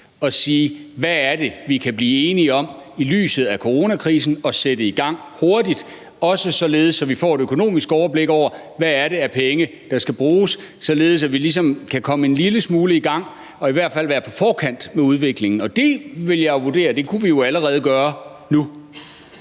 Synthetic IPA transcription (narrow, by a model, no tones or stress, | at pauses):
ɒ̽siːʋææɐd̥e̝ʋikʰæb̥liːe̝ːniɒ̽mily̰ːsð̞̩ˠækʰo̝ʁo̝ːnækʰʁiːsn̩ɒ̽sedəiɡ̥ɑ̈ŋ̰ | ho̝ɐd̥id̥ | ɒ̽səsɒ̽le̝ːð̞̩ˠəsɒ̽ʋifɒ̰ːe̝ɾøkʰo̝no̝̰ːmisɡ̥ɒʊɐb̥le̝ɡ̥ɒʊ̰ɐ | ʋæːɐɾe̝æɐpʰeŋə | d̥ɑ̈sɡ̥æb̥ʁuːsːɒ̽le̝ːð̩ˠsæʋilis̬ɒ̽mkʰækʰɒ̽məe̝nliləsmuːləiɡ̥ɑ̈ŋ̰ | ɒ̽iʋæɐd̥fæl̰ʋæːɐpʰɒ̽fɒːkʰæn̰d̥meuð̞ˠʋe̝ɡ̥le̝ŋn̩ɒ̽d̥e̝ʋe̝ljɑ̈ʋuɐd̥e̝̰ːɐd̥e̝kʰuʋijo̝æləʁɛːð̞̩ˠɡ̥ɶːɐ | nu